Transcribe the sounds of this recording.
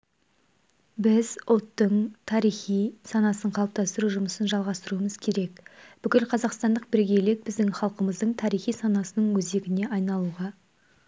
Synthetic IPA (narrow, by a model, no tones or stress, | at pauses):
bɪzwo̞t̪ːəɴt̪ʰɑɾijχijsɑnɑsəɴqʰɑlˠp̚t̪ɑst̪əɾuʒʊməsənʒɑlˠʁɑst̪əɾuəməzkʲʰe̞ɾe̞kb̥ʏkʲɪlqʰɑzɑqst̪ɑnd̪əq̚bɪɾɡʲe̞le̞k̚bɪzd̪ɪŋχɑlˠqəməzd̪əɴt̪ʰɑɾijχijsɑnɑsənəɴwɵze̞ɡʲɪne̞ɑjnɑlˠuʁɑ